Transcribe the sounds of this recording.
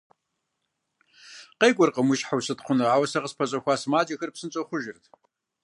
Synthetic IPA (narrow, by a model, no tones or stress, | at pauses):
qeːɡʷʼɔrqəmʊʃħawsɨtχʷʊnɐaːwɐsɐʁəspʰɐɕʼɐxʷɑːsmaːd͡ʒɐxɐrpsɨnt͡sʼɐχʷʊʒɪrtʰ